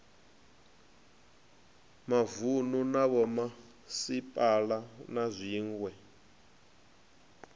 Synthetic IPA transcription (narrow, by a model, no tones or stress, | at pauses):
mavununaβɔma | sipʼalanazʷiːŋɡwɛ